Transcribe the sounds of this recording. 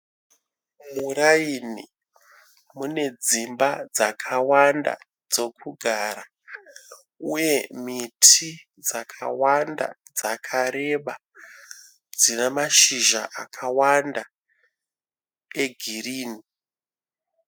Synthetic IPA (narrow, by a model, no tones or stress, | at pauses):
muɾaini | mune̞d͡zimbad͡zakʰawanda̰ | d͡zo̞kʰuɡʱaɾa | uje̞mitʰi | d͡zakʰa̰wanda̰d͡zakʰaɾe̞ɓa | d͡zinemaʃiʒa̰ʔakʰawanda | e̞ɡʱiriːni